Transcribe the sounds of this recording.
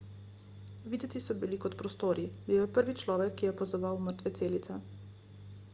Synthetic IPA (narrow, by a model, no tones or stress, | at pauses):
ʋiːd̪ɛt̪isɔbilikɔt̪pɾɔst̪oːɾibiwjɛpəɾʋit͡ʃlɔːʋɛkʰːijɛpɔzɔʋawməɾt̪ʋetseːlit̪sɛ